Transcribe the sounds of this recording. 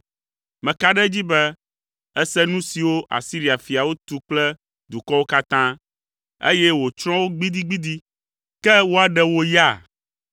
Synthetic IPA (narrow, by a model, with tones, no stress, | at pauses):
mɛ̃˨ka˦ɖɛ˦d͡ʑi˦bɛ˦ | ɛ˦sɛ˦nũ˦si˨wo˦ʔa̰˨si˦ɾi˨a˨fi˨a˨wo˦t̪u˦k͡plɛ˦ | d̪u˨kɔ˦wo˦ka˦t̪ã˦ | ḛ˦jɛ˦wo˨t͡ʃɾ̃ɔ̃˦wo˦ɡ͡bi˦d̪i˦ɡ͡bi˦d̪i˦ | kɛ˦wo˦a˨ɖɛ˦wo˦ja˦˨